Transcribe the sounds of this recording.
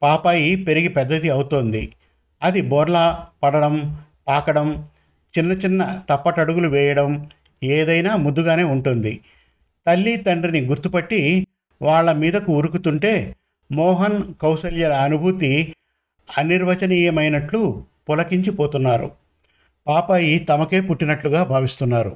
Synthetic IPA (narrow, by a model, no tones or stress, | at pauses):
paːpaːjipe̞ɾiɡipɛd̪ːɐt̪iɐwut̪oːnd̪i | ɐd̪ibɔːɾlapɐɽɐɽɐm | paːkɐɽɐm | t͡ʃinːɐt͡ʃinːɐt̪ɐpːɐʈɐɽuɡuluʋɛːjɐɽɐm | eːd̪ɐjnaːmud̪ːuɡaːne̞ːuɳʈund̪i | t̪ɐlːit̪ɐɳɖriniɡuɾt̪upɐʈːi | ʋaːɭːɐmiːd̪ɐkuːɾukut̪uɳʈe̞ː | mɔːɦɐnkɐwsɐljɐlɐːnubʱut̪i | ɐniɾʋɐt͡ʃɐniːjɐmɐjnɐʈlupɔlɐkiɲt͡ʃipoːt̪unːaːɾṵ | paːpɐːjit̪ɐmɐke̞ːpuʈːinɐʈluɡaːbʱaːʋist̪unːaːɾu